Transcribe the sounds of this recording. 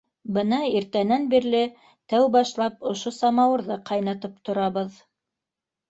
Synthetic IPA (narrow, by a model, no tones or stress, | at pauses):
bɤnɑiɾt̪ænænbiɾlɘ | t̪æwbɑʃlˠɑpŏʃosɑmɑwɤ̆ɾðɤqʰɑjnɑt̪ɤp̚t̪ŏɾɑβɤð